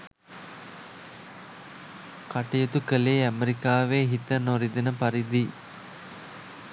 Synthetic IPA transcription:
kaʈejet̪ukəleːæmeɾikaːʋeːɦit̪ənoɾid̪ɐnəpɐɾid̪i

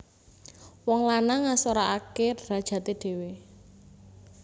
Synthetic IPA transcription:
wɔŋlanaŋasoɾaʔakeɾad̥ʒ̥ä̤t̪eɖ̥e̤we

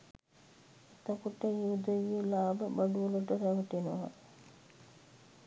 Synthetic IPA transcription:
et̪əkuʈəjud̪əʋielaːbəbaɖuʋoloʈəɾæʋəʈinəʋa̰d̪

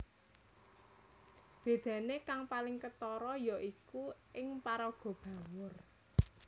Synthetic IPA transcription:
b̥e̤d̪̥ä̤nekaŋpalɪŋkət̪ɔɾɔjɔʔikuʔɪŋpaɾɔɡ̥ɔ̤b̥ä̤wʊr

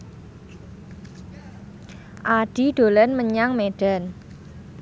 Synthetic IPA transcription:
ʔaɖ̥iɖ̪̥o̤lənməɲaŋmeɖ̥a̤n

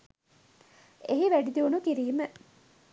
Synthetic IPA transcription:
eɦiʋæɖid̪eunukiɾiːmə

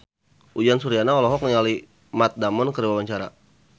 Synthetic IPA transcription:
ʔud͡ʒansuɾianaɔlɔɦɔk̚nəŋali | mat̪̚damɔnkəɾiwawaɲt͡ʃaɾa̰

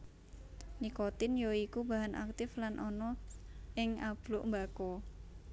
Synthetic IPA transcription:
nikɔt̪ɪnjoikubaɦanʔa̰k̚t̪ɪflanʔɔnɔʔɪŋab̥lʊʔmbakɔ

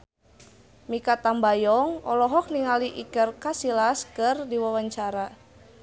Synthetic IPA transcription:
mikat̪ambajɔŋɔlɔɦɔk̚niŋaliʔikərkasilaskərdiwawaɲt͡ʃaɾa

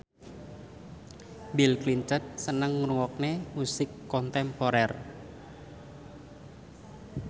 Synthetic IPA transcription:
bilkliɲt͡ʃət̪̚sənəŋːuɾuwɔk̚nemusɪkːɔnt̪ɛmpoɾɛr

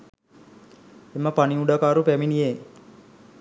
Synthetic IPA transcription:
emːəpaniuɖakaːɾupæminije

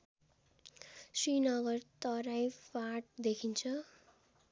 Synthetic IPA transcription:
sinʌɡʌrt̪ʌɾajpaʈ̚d̪ekʰint͡sʰʌ

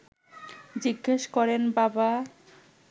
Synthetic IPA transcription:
d͡ʑiɡːeʃkɔɾenbaba

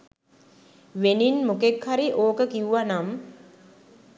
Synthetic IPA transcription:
ʋeninmukekhaɾiʔoːkəkiuʋanam

